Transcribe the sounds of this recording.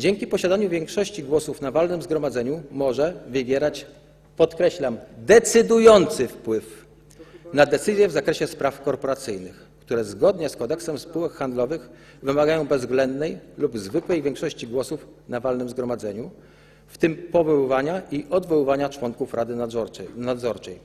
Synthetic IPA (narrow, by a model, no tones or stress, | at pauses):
d͡ʑeŋʲkʲipɔɕad̪aɲuvʲjɛŋkʂɔɕt͡ɕiɡwɔsufnavalnɘmzɡɾɔmad̪zɛɲumɔʐɛvɘbʲjɛɾat͡ɕ | pɔt̪kɾɛɕlamd̪ɛt̪sɘd̪ujɔnt̪sɘfpwɘf | nad̪ɛt̪sɘzʲjɛvzakɾɛɕɛspɾafkɔɾpɔɾat̪sɘjnɘ̰x | kt̪uɾɛzɡɔd̪ɲɛskɔd̪ɛksɛmspuwɛkxand̪lɔvɘx | vɘmaɡajɔ̃w̃bɛzːɡlɛnd̪nɛjlubzvɘkwɛjvʲjɛŋkʂɔɕt͡ɕiɡwɔsuf | navalnɘmzɡɾɔmad̪zɛɲu | ft̪ɘmpɔvɔwvaɲaʔiʔɔd̪vɔwvaɲat͡ʂwɔŋkufɾad̪ɘnad̪zɔɾt͡ʂɛj